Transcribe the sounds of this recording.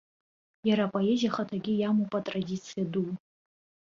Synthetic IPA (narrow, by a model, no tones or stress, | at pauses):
jaɾapʼoezʲijaχatʰaɡʲɪjamupʼatʼradʲit͡sʰɨjadul